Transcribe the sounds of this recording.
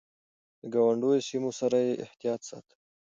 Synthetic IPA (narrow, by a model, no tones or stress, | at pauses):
d̪əɡɑwaɳɖojosimosaɾajeʔɪht̪ijɑt̪sɑ̰t̪